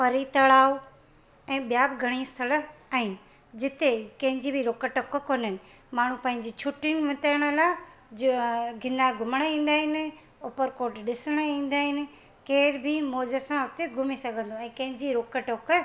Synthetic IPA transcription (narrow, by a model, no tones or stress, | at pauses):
pɐɾit̪ɐɭaːo | ɛ̃ːɓijaːbɡʱɐɽ̃iɪst̪ʰələɛ̃ː | d͡ʑɪt̪ekɐ̃ɦɪ̃ɲd͡ʑibiɾoːkəʈəkkoːnnɪ̆ | maːɳ̤ũpɐ̃ɦɪ̃ɲd͡ʑit͡ɕʰʊʈɪnɪ̆ʋɪt̪əɽ̃əlaː | ɡʱɪnaɡʱʊməɽ̃əĩːn̆d̪aːɦɪnɪ̆ | oːpəɾkoːɾʈɗɪsəɽ̃əĩːn̆d̪aːɦɪnɪ̆ | keːɾbʱɪmoːd͡ʑəsãʊt̪eɡʱʊmisɐɡʱə̃nd̪oɛ̃ːkɐ̃ɦɪ̃ɲd͡ʑiɾoːkəʈok